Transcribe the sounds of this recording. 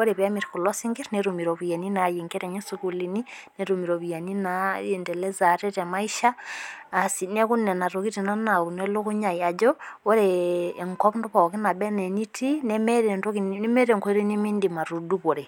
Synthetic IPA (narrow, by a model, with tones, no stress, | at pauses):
o˦ɾe˨βja˦mi˨ɾku˨la˦si˦ŋɡi˦ɾneɾumi˨ɾo˨βu˨je˨ni˦na˨ji˨ŋɡe˦ɾe˨ɲe˦sukulini˦ne˦ɾumi˨ɾo˨βu˨ja˨ni˦nae˨ndɛ˨le˦za˨ɾe˦te˨ma˦iʃaː˦˨ | sinɛ˦ku˦nɛ˨na˨ɾoki˦ti˨na˦na˨ku˨ne˦lo˦ku˦ɲa˨ja˨d͡ʒo˦o˦ɾe˨ŋkɔ˦pndu˦βɔ˨ki˦na˨bɛ˦ne˨ni˦ti˦ne˦me˦ɾe˨nto˦kine˦me˦ɾe˨ŋko˦e˦ɾi˦ni˦mi˦ndima˨ɾu˨du˦βo˨ɾe˨